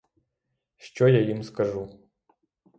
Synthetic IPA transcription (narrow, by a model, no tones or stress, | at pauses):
ʂt͡ʃojajɪmskɐʐu